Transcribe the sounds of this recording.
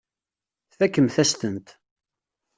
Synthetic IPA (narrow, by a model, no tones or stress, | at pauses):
θækːəmθæst̪ənt̪